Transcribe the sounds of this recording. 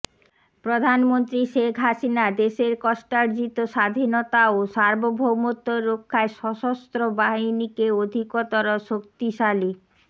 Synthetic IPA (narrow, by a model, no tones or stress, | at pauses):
pɾod̪ʱanmont̪ɾiʃekʰɦaʃinad̪eʃeɾkɔʃʈaɾd͡ʑit̪oʃad̪ʱinot̪aoʃaɾbobʱomot̪ːoɾokʰːaeʃɔʃost̪ɾobaɦinikeod̪ʱikot̪oɾoʃok̚t̪iʃali